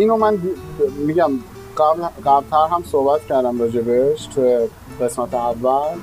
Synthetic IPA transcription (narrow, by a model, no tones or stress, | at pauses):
inomand̪imiɡam | qablqabt̪ʰaɾɦamsoːbat̪̚kʲæɾd̪amɾod͡ʒebeʃtʰ | qesmat̪ʰeavːæl